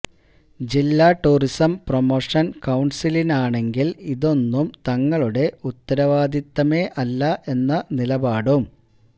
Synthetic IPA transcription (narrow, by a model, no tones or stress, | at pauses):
d͡ʑilːaːʈːuːrisɐmpromoːʂɐnkɐwɳsilinaːɳe̞ŋɡiliðo̞nːumt̪ɐŋːɐɭuɽe̞ut̪ːɐɾɐʋaːd̪it̪ːɐme̞ːʔɐlːɐʔe̞nːɐnilɐbaːɽum